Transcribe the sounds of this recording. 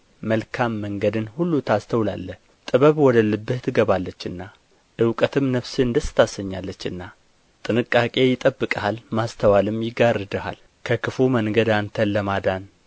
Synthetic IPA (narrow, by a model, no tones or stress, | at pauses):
məlkʰamːəŋɡəd̪ɨnhulːut̪ʰast̪ʰəwla̰lːəh | t̪ʼɨβəβwɔd̪əlːɨbːɨht̪ʰɨɡəβalːət͡ʃːɨnːa | ʔɨwkʼət̪ʰɨmnəβsɨɨnd̪əsə̥t̪ʰasəɲːalːət͡ʃːɨnːa | t̪ʼɨnɨkʼːakʼe̞jɪt̪ʼəbːɨkʼəhalmast̪ʰəwalɨmjɪɡarːɨd̪əha̰l | kʰəkʰɨfuməŋɡəd̪ant̪ʰənːəmad̪an